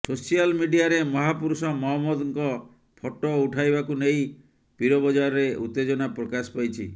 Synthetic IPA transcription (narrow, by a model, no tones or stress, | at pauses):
sosijalmiɖiaɾemɔɦapuɾusɔmɔɦɔmːɔd̪ɔŋkɔ | pʰɔʈɔuʈʰajbakunej | piɾɔbɔd͡ʒaɾɔɾeʔut̪ːed͡ʒɔnapɾɔkaspajt͡ʃʰi